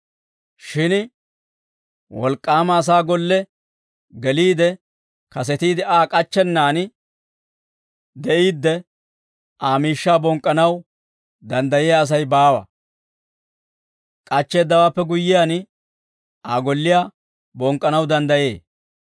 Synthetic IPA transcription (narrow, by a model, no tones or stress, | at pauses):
ʃɪn | wɔ̰lkʼːaːmɐːs̬aːɡɔlːɛ | ɡɛliːd̪ɛ | kɐs̬ɛt̪iːd̪ɪaːkʼɐt͡ʃːɛnːaːn | d̪ɛʔiːd̪ːɛ | aːmiːʃːaːbɔŋkʼːɐnɐw | d̪ɐnd̪ɐjɛjaːs̬ɐjbaːwɐ̰ | kʼɐt͡ʃːe̞ːd̪ːɐwaːpːɛɡʊjːɪjaːn | ʔaːɡɔlːɪjaː | bɔŋkʼːɐnɐwd̪ɐnd̪ɐjeː